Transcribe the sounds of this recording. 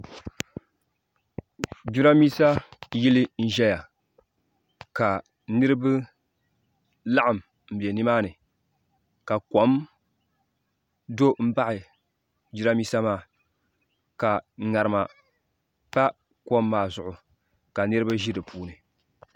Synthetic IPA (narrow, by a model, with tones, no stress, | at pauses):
d͡ʒu˦ɾa˦miː˦sa˦ji˦lɪ˦n̩˦ʒɛ˦ja˨ | ka˨ | nɨ˦ɾɨ˦bɨ˦ | la˦ʔa˨m | m̩˨be˨nɨ˦maː˦nɨ˨ | ka˨ko˦m | do˦m̩˦ba˦ʔɪ˨ | d͡ʒu˦ɾa˦miː˦sa˦maː˦˨ | ka˨ŋa˨ɾɨ˨ma˨ | pa˦ | ko˦mːaː˨zʊ˨ʔʊ˨ | ka˨nɨ˦ɾɨ˦ba˦ʒi˦dɨ˨pʰuː˦nɨ˨